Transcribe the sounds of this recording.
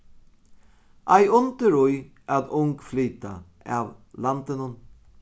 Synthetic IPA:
ʔajʊnt̪əɾʊj | aðʊŋkflyːt̪a̰ | a̰ːʋlant̪ənʊn

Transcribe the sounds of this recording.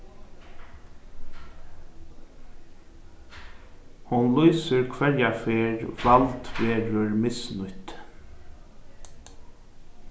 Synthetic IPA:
hʊnlɔːsəɹkʰʋɛɹjafeːɹʋɑlt̪beːɹʊɹmɪsnʊt̪

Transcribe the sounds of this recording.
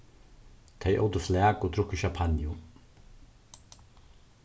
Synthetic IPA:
t̪ʰejʔo̰wt̪əflæːkɔt̪ʰɾʊkːəʃapʰanjʊ

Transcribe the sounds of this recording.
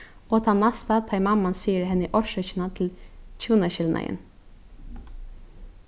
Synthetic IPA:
oːt̪ʰɑnːɑst̪ɑt̪ʰɑɪmɑmɑnsiːəɾhɛnəʔɔʃœçnɑt̪ʰlc͡çʰuːnɑçɪlnʔæ̰ɪɪ̰n

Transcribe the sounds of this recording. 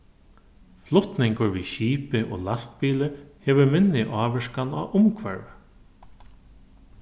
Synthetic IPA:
flʊht̪nɪŋkʊɹʋiːʃiːpɪʔo̰ːlast̪biːlɪheːʋʏɾmɪnːɪʔɑːʋɛʂkana̰ːʔʊmkʰʋɛɹʋə

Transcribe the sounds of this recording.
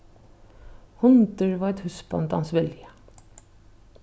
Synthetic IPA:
hʊnd̪əɹʋɑːɛt̪hʉsbɑ̰nt̪hɑ̰nsʋɪljə

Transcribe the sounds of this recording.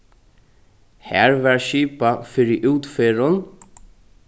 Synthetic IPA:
hæ̰ːɹvɛɹʃiːpafɪɾɪʔuːt̪feːɾʊn

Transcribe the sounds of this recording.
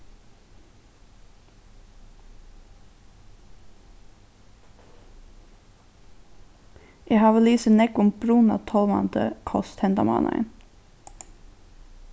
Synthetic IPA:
jɛhɑːʋəliːsənɛkʊmb̥ɾuːnɑ̰t̪ʰɔlmɑ̰nt̪ʰə̰kʰɔst̪hɛnd̪ɑmɑ̰ːnɑ̰ɪ̰n

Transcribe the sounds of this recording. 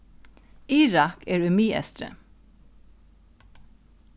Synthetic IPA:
iːɹɑkʰeːɹʉmiːʔɛ̰st̪ɾə̰

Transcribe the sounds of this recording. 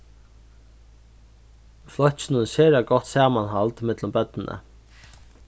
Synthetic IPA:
flɔtsɪnənʃeːɾaɡɔht̪saːmanɦalt̪mɪt̪lʊmbœt̪nɪnʔə̰

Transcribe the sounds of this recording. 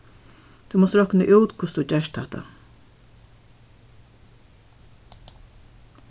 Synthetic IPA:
t̪ʰumɔst̪ɾɔknəʔuːt̪kʰʊst̪ʰut͡ɕɛʃt̪ɛht̪a̰

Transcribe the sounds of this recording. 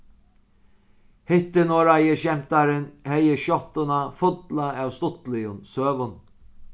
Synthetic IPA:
hɪht̪ɪnɔːɾajɪʃɛm̥t̪aɾɪnhɛjəʃjɔht̪ʊnafʊt̪laæwst̪ʊht̪lɪjʊnsøːvʊn

